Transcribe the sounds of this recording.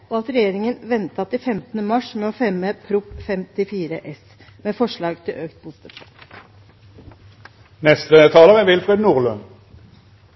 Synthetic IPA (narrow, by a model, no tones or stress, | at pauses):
ʔoɑt̪ɾɛjeːɾɪŋənʋɛnt̪ɑt̪ɪfɛmt̪ənəmɑʂmɛːɔfɛmːəpʰɾʊpfɛmt̪ɪfiːɾəʔɛs | meːfɔʂɭɑːɡt̪ʰɪlʔøːkt̪̚buːst̪əsɑ | nɛst̪ət̪ʰɑːləʁəʋɪlfʁɛd̪nuːʁlœn